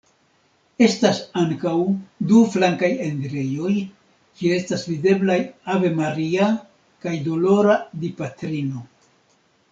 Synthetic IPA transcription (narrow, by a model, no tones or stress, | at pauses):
e̞stasaŋkawduflaŋkajendɾe̞jo̞j | kiee̞stasvide̞blajave̞maɾia | kajdo̞lo̞ɾadipatɾino̞